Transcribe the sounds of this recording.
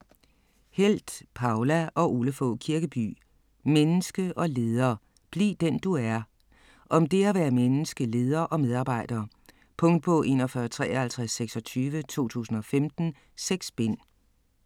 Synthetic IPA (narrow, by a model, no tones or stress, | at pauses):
hel̰d̥pʰɑ̈ʊlæʔɒ̽ʔuləfɔ̰̽kʰiɐɡ̥əb̥y̰ː | menəsɡ̥əʔɒ̽le̝ːð̞ˠɐː | b̥liːd̥en̰d̥uæɐ | ʔɒ̽md̥e̝æʋæːɐmenəsɡ̥əle̝ːð̞ˠɐʔɒ̽með̞ˠɑ̈ːb̥ɑ̈ɪ̰d̥ɐː | pʰɔ̽ŋ̰d̥̚pʰɒ̽ʔe̝̰ːnɒfɶːɐt͡sʰʁɛ̰ːhælt͡sʰʁasːeɡ̥sɒ̽t͡sʰyːʋət͡sʰo̝̰ːt͡sʰṵːsn̩ɒ̽femd̥n̩ | seɡ̥sb̥en̰